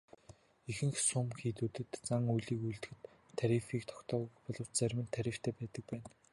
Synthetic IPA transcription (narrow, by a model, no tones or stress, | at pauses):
exɘ̆ŋxsʊmxiːt̪uːt̪ɘ̆t̪t͡saŋujɮiːkujɮt̪ɘ̆xɘ̆t̪ʰː | aɾʲifiːk̚t̪ʰɔ̥kt̪ʰɔːɣujpɔɮɞ̆w̥t͡ɕt͡sæɾʲmɘ̆nt̪ʰːæɾʲĭw̥t̪ʰeːpæːt̪ə̆k̚pæːn